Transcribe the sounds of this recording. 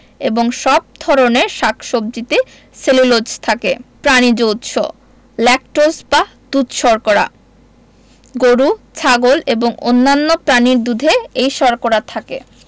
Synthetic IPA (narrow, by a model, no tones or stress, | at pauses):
eboŋʃɔb̚d̪ʱɔɾoneɾʃakʰʃob̚d͡ʑit̪e | selulod͡ʑt̪ʰakepɾanid͡ʑowt̪ʃʰo̰ | lɛk̚ʈosba | d̪̥ud̪ʃɔɾkoɾa̰ | ɡoɾut͡ɕʰaɡoleboŋo̰nːanːopɾaniɾd̪ud̪ʱeejʃɔɾkoɾat̪ʰakḛ